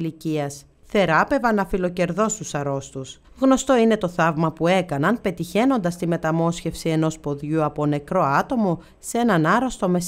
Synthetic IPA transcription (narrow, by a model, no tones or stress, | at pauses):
liciɐs | θe̞ɾɐpe̞vɐnːɐfilo̞ce̞ɾðo̞st̪usɐɾo̞st̪us | ɣno̞st̪o̞ine̞t̪o̞θɐvmɐpue̞kɐnɐnpe̞t̪içe̞no̞nd̪ɐst̪ime̞t̪ɐmo̞sçe̞fsie̞no̞spo̞ðʝuɐpo̞ne̞kɾo̞ɐt̪o̞mo̞ | se̞nɐnɐɾost̪o̞me̞s